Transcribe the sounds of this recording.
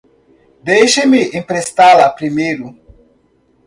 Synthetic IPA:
d̪ejʃemɪẽmpɾest̪alɐpɾimejɾʊ

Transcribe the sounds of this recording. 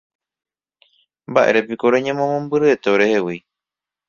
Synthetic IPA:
mbaʔḛɾepikoɾeɲẽmõmõmbɨɾɨet̪eoɾehewi

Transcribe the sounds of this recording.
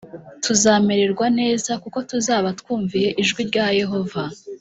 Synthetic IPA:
tuzaːme̞ɾe̞ɾɡwane̞ːzakuko̞tuzaːβatkwuːɱvije̞ʔiʒɡwiɾɟaːje̞ɦo̞va

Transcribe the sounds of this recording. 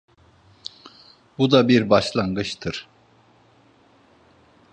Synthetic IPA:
bud̪abiɾbaʃlˠanɡɯt͡ʃt̪ʰɯɾ̥

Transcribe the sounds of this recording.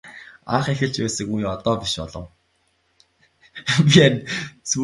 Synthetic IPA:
a̰χexɘ̆ɬt͡ɕpæːsɘ̆kujɔt̪ɔːpiʃpɔ̰ɮɞ̆w | piant͡su

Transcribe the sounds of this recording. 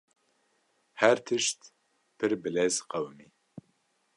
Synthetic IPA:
hɛɾt̪ʰɨʃt̪ | pʰɨɾbɨlɛzqɛwmi

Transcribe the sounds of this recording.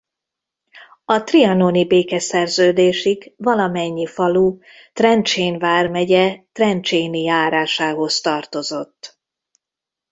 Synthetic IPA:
ɒt̪riɒnonibeːkɛsɛrzøːd̪eːʃiɡvɒlɒmɛɲːifɒlu | t̪rɛnt͡ʃeːnvaːrmɛɟɛt̪rɛnt͡ʃeːnijaːɾaːʃaːɦo̞st̪ɒrt̪o̞zo̞t̪ː

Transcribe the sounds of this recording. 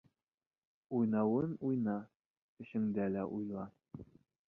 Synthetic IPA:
ujnɑwɤnujnɑ | kɘ̆ʃɘ̆ŋd̪ælæʔujlˠɑ

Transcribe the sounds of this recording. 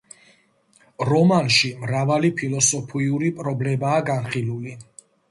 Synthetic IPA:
ɾɔmanʃimɾavalipʰilˠɔsɔpʰiuɾipʼɾɔblɛbaːɡanχiluli

